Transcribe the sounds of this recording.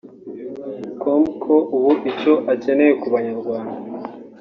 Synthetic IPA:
komkʰoʔuβuʔico̞ʔace̞ne̞je̞kuβaɲaɾɡwaːnda

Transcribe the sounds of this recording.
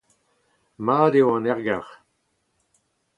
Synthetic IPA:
maːdewɑ̃nɛʁɡaʁ

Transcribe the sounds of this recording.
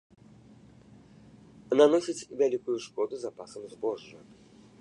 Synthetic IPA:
nanɔsʲit͡sʲvʲalʲikʊjʊʂkɔd̪ʊzapasəmzbɔʐːə

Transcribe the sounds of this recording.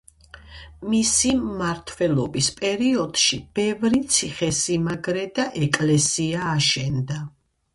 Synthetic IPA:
misimːaɾt̪ʰwɛlˠɔbispʼɛɾiɔd̪̥ʃib̥ɛvɾit̪sʰiχɛsimaɡɾɛd̪aʔɛkʼlɛsiaːʃɛnd̪a

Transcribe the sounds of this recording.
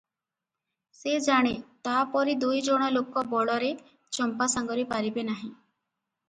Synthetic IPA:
sed͡ʒaɽ̃et̪apɔɾid̪ujd͡ʒoɽ̃ɔlokɔbɔɭɔɾe | t͡ʃɔmpasaŋɡɔɾipaɾibenaɦĩ

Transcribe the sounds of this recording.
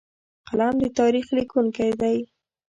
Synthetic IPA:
qalamd̪ət̪ɑɾixlikuŋkajd̪aj

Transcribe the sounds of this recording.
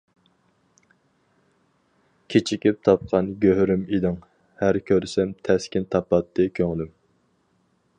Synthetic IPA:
kʲʰet͡ʃʰikʲip̚t̪ʰɑp̚qʰɑnɡʲøɦɾymid̪ɪŋ | hæɾkʲʰøɾsɛmt̪ʰɛskʲint̪ʰɑpɑt̪ʰːɨkʲʰøŋlym

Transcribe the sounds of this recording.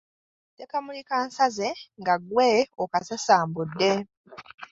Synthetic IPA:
tekamulikaːnsaze̞ŋɡaɡweokasasaːmbudːe̞

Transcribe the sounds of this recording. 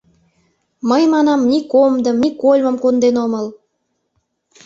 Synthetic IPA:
məjmɑnɑmnʲikomd̪ə̆mnʲikolʲmə̆mkond̪enoməl

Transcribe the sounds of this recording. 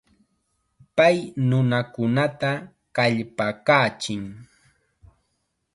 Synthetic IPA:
pajnʊnakʊnat̪a | kaʎpakaːt͡ʃɪŋ

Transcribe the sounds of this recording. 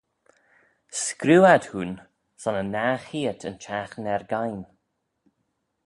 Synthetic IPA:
skɾuːad̥huːn | sɔnənaːxiːətʰə̰nt͡ʃʰaxnɛɹɡajn

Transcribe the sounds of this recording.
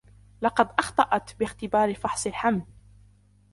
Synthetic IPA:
lɑqɑd̪ʔɑxt̪ˤɑʔɑt̪bɪxt̪ɪbɑːɾfɑħsˤɪlħaml

